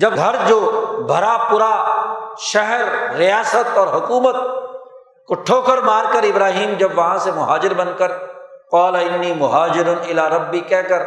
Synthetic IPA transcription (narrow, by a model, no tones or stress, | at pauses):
d͡ʒɐbɡʱɐɾd͡ʒoːbʱɐɾapʊɾa | ʃɛɦɾːijaːsət̪ɔːɾɦʊkuːmət̪̚ | kʊʈʰːoːkəɾmaːɾkɐɾɪbɾaːɦiːmd͡ʒɐbʋɐɦãsemʊɦaːd͡ʒɪɾbɐnkəɾqɔːlaɪnːiːmʊɦaːd͡ʒɪɾʊnɪlaːɾɐbːikɛːkɐɾ